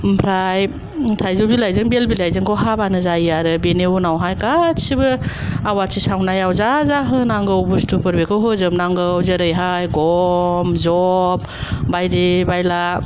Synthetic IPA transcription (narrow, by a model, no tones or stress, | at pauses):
mpʰɾaj | tʰajzobilajzɯŋbelbilajzɯŋkʰɔwɦabanɯzajiaɾɯbeneunawɦajkatsibɯ | awatsisawnajawzazaɦɯnaŋɡɯwbustʰupʰɯɾbekʰɯwɦɯzɯmnaŋɡɯwzəɾɯjɦajɡɔmzɔp̚ | bajdibajla